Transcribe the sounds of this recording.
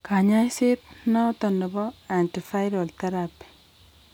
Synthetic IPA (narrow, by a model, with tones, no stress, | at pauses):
ka˨ɲa˦jse˦t̚nɔ˦tɔndɔ˨bɔ˦a˨nti˨fa˦jɾɔ˨lt̪a˦ɾapi̥˨